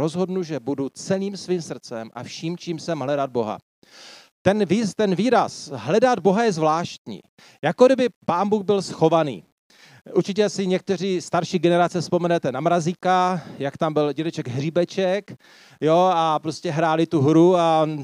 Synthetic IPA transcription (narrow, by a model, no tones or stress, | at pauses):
o̞zɦo̞dnuʒɛbudut͡sɛliːmsviːmsr̩t͡sɛmʔa̰fʃiːmt͡ʃiːmsɛmɦlɛdad̪̚bo̞ɦa̰ | t̪ɛnvist̪ɛnviːɾasɦlɛdad̪̚bo̞ɦajɛzvlaːʃt̪̚ɲḭː | jakodɪbɪpaːnbuːxbɪlsxo̞vanḭː | ʔuɾt͡ʃɪc̬ɛsɪɲɛk̚t̪ɛr̝iːst̪aɾʃiːɡɛnɛɾat͡sɛspo̞mɛnɛt̪ɛnamɾaziːkajakt̪ambɪlɟɛdɛt͡ʃɛɡɦriːbɛt͡ʃɛk | jo̞apɾo̞scɛɦɾaːlɪt̪uɦɾua